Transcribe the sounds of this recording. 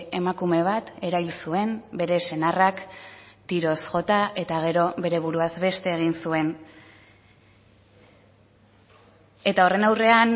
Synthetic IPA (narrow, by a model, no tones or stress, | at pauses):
emakume̞β̞at̪e̞ɾaβilsue̞mbe̞ɾe̞se̞narakt̪iɾo̞sʝo̞t̪aʔe̞t̪aɣ̞e̞ɾo̞βe̞ɾe̞β̞uɾuazβe̞st̪e̞ːɣ̞insue̞n | e̞t̪ao̞re̞nawre̞an